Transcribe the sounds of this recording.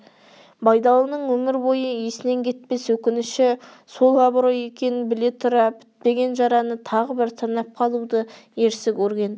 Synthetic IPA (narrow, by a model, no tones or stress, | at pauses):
bɑjd̪ɑlˠənəɴwɵmɪɾbo̞jəesɪne̞ŋkʲʰe̞t̪̚pe̞swɵkʲɪnɪʃɪ | so̞lˠɑbɾo̞je̞kʲe̞nɪnbɪle̞t̪ʰʊɾɑpʰɪ̥t̪̚pe̞ɡʲe̞nʒɑɾɑnət̪ʰɑʁəbɪɾt̪ʰɑnɑp̚qʰɑlˠud̪əje̞ɾsɪkʲʰɵɾɡʲe̞n